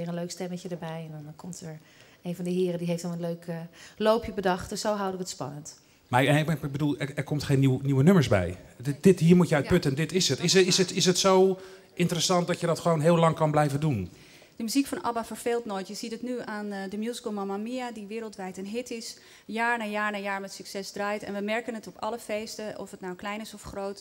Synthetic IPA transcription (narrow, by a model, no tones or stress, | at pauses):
ɪːɹənløɥkstɛməcədəɹbɛjɛndɑnkɔmtʰəɹ | ejnvɑndəɦɪːrədiɦejftɔnˠənløɥkəlowpʰjəbədɑχtdəsowɦɑwdəʋəətspɑ̰nənt | maɹɛbədulˠɛɛɹkɔmtχejniwniwənɵməɹsbɛ̰jd̥ɪtɦiːɹmutjəœt̚pɵtəndɪtɪsətɪsɪsətɪsətsow | ʔɪntərəsɑnt̚dɑtjədɑtχəʋownɦɪːlɑŋkɑnblɛjvədun | d̥əmyzikfɑnɑ̰bafəɹfeːlˠtnoːjtjəzitətnyaːndəmjuːzikəl̩ˠmɑmamiadiʋɪːɾəlˠtʋɛjtənɦɪtɪs | jaːɹnaːjaːɹnaːjaːɹmɛtsyksɛsdraːjtɛ̰nʋəmɛɹkənətɔpɑləfejstəʔɔ̰fətnawklɛjnɪsɔfχrowt